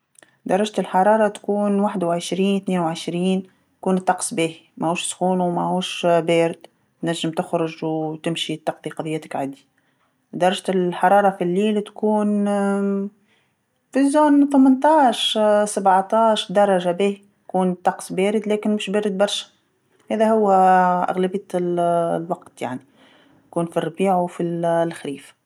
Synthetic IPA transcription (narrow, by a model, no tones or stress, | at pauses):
d̪ɑɾˤɑʒt̪ɪlħɑɾˤɑːɾˤɑt̪kuːnwaħd̪wʕəʃɾiːnt̪θneːnwʕɪʃɾiːn | t̪kuːnt̪ˤːɑqsˤbiːhimʔæhuːʃsxuːnwmæhuːʃbɛːɾɪd̪ | t̪næʒːɪmt̪ɪxɾʊʒwt̪ɪmʃit̪ːɑqðiqɑðˤəjːæt̪ɪkʕad̪i | d̪ɑɾˤɑʒt̪ɪlħɑɾˤɑːɾˤɑfilːiːlt̪kuːn | fizuːnθəmɪnt̪ɑːʃsabʕt̪ɑːʃd̪ɑɾˤɑʒabiːhi | kuːnt̪ˤɑqsˤbɛːɾɪd̪læːkɪnmʊʃbæːɾɪd̪̚bɑɾˤʃæ̥ | hɛːðæhʊwːʔæ̰ɣlæbɪjːællwɑqt̪ja̰ʕni | j̪kuːnfirˤːbiːʕwfilxɾiːf